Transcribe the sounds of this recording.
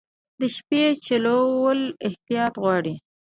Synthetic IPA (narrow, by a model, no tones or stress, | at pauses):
d̪əʃpet͡ʃalowəlɪht̪ijɑt̪ɣwɑɽi